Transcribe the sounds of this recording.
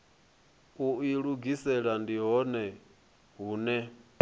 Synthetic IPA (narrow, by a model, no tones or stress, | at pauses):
uiɺuɡisɛɺandiɦɔnɛ | ɦuːnɛ